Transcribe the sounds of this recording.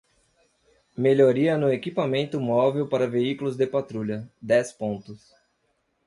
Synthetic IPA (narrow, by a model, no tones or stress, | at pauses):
meʎoɾiɐnʊekipamẽnt̪ʊmɔvewpaɾɐveikulʊzd̪epat̪ɾuʎɐd̪ɛspõnt̪ʊs